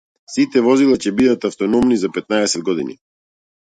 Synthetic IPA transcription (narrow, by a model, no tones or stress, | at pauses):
sit̪ɛvɔzilˠacɛbid̪at̪aft̪ɔnɔmnizapɛt̪̚naɛsɛd̪̚ɡɔd̪inḭ